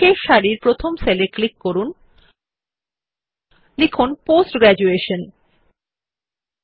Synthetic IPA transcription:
eʃaɾiɾpɾot̪ʰomseleklikːoɾun | lekʰunposʈɡɾɛd͡ʑueʃon

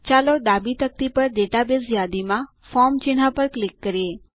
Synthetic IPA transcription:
t͡ʃaloɖ̪abit̪ək̚t̪ipəɾɖeʈabezjad̪imã | fɔmt͡ʃɪn̤apəɾklɪkːəɾe

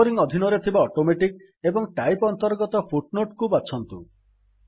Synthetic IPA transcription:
ɾiŋɔd̪ʱinɔɾet̪ʰibaɔʈomeʈik | ebɔŋʈajpɔnt̪ɔɾɡɔt̪ɔpʰuʈnoʈkubat͡ʃʰɔnt̪u

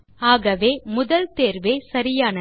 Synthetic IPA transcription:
aːɣɐʋeːmʊðɐlt̪eːɾʋeːsɐɾɪjaːnɐ

